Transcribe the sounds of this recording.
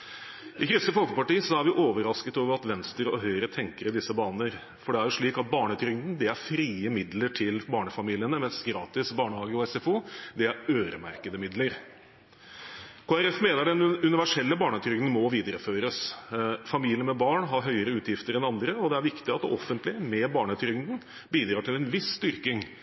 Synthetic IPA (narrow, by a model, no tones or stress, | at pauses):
ʔɪkʰɾɪst̪əfɔlkəpɑʈiːsɔæɾʋɪʔoːʋəɾɑskət̪oːʋəɾɑt̪ʋɛnst̪əɾɔɦœʏəɾət̪ʰɛŋkəɾəd̪ɪsːəbɑːnəɾ | fɔɖɛæɾjʊʂɭiːkɑt̪̚bɑːɳət̪ʰɾʏɡd̪n̩d̪ɪæɾfɾiːəmɪd̪ləʈʰɪlbɑːɳəfɑmiːlɪənəmɛnsɡɾɑːt̪ɪsbɑːɳəhɑːɡəɔɛsɛfuːd̪ɪæɾøːɾə̰mæ̰ɾkəd̪əmɪd̪ləɾ | kʰoːæɾɛfmeːnəɖɛnʉnɪʋæʂɛlːəbɑːɳət̪ʰɾʏŋd̪n̩mɔʋiːd̪əɾəføːɾəsfɑmiːlɪənmɛbɑːɳɦɑɾɦœʏəɾəʉːt̪jɪft̪əɾɛnɑnd̪ɾəɔd̪ɛæɾʋɪkt̪ɪɑt̪d̪ɛʔɔfənt̪lɪəmɛbɑːɳət̪ʰɾʏŋd̪n̩ | biːd̪ɾɑːʈʰɪlɛnʋɪsːt̪ʏɾkɪŋ